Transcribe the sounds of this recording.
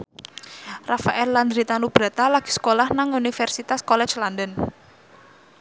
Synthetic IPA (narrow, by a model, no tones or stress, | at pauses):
rafaʔɛlland̪ɾit̪anub̥ɾat̪alaɡ̥i̥sə̥kolahnaŋunifɛrsit̪askɔlɛ̥t͡ʃlandən